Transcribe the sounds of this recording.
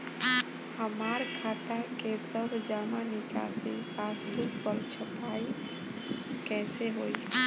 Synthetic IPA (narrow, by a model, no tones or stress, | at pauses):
həmaɾkʰat̪akesəbʱd͡ʒamanika̰sipasbuɾkpəɾt͡ʃʰəpai | kɛseɦoi